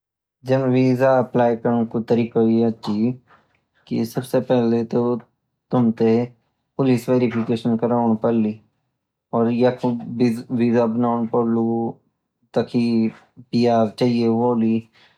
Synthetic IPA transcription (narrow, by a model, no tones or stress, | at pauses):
d͡ʒəmʋiːzaɐplaːjkəɾ̃kot̪əɾiːkaiɐtːʃʰi | kḭsəbsepɛɦlet̪o | t̪ʊmt̪e | pʊlisʋeːɾɪpʰɪkeːʃənkəɾaːʊɳ̃pɐɾliː | ɔːɾjakoʋiːzabənaːʊɽ̃pəɾlu | t̪akʰi | pijaːɾt͡ʃaːɦieʋoːli